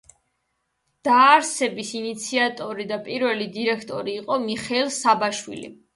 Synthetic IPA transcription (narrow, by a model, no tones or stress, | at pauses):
d̪̥aːɾsɛbisinit̪sʰiat̪ʼɔɾid̪apʼiɾvɛlid̪iɾɛkʰt̪ʼɔɾiːqʼɔmiχɛlˠsabaʃwḭlḭ